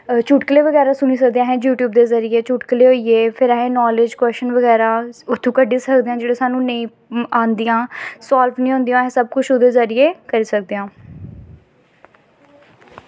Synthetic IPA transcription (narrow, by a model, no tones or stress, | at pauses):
t͡ʃuːʈkəleːʋəɡɛːɾãːsʊniːsək̚d̪eãːɦɛ̃ːjuːʈjuːb̚d̪eːzəɾijeːt͡ʃuːʈkəleːɦoːiːeːpʰɪɾaɦẽːnɔːlɪd͡ʒkwɛːsʃənʋəɡɛːɾãːʊt̪ʰːũːkəɖĩːsəkd̪eːãːd͡ʒeːɽeːsaːnũːnəĩː | ãːnd̪ijãːsaːlpʰnĩːɦõːnd̪ijãːɦẽːsəb̚kʊt͡ʃʰod̪eːzəɾɪeːkəɾiːsək̚d̪eːãː